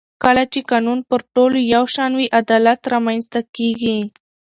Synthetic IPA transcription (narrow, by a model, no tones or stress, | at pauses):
kəlat͡ʃekɑnunpəɾʈolojawʃɑnwiʔad̪ɑlat̪ɾɑmajnst̪akeɡi